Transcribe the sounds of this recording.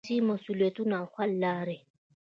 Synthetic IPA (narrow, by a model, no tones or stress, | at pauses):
imɔsulwetʼunaχʰwal̩laːɾɪ